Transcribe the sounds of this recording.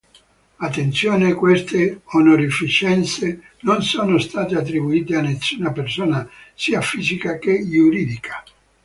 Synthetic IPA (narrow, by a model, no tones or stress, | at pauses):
at̪ːent̪sjoːnekwest̪eonoɾifit͡ʃɛnt̪se | nonsoːnost̪aːt̪eat̪ːɾibuiːt̪eanːesːuːnapersoːnasiːafiːzikakejuɾiːd̪ikʰḁ